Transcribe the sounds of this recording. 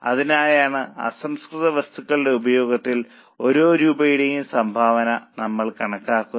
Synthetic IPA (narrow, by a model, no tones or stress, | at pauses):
ɐ̰ðinaːjaːɳɨɐ̰sɐmskrɨðɐʋɐst̪ʰukːɐɭɖe̞ubɐjo̞ːɡɐt̪ːil | o̞ɾo̞ːɾuːbɐjiɽejumsɐmbʱaːʋɐnɐnɐmːɐɭkɐɳɐkːaːkːun